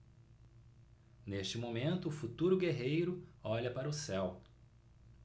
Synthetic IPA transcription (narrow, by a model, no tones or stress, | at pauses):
neʃt͡ʃɪmomẽnt̪ʊːfut̪uɾʊɡeɦejɾʊɔʎɐpaɾɐʊsɛw